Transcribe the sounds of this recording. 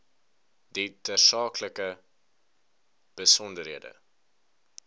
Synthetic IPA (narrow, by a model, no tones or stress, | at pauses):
ditəsɑːkləkə | b̥əsɔndəɾɦiədə̰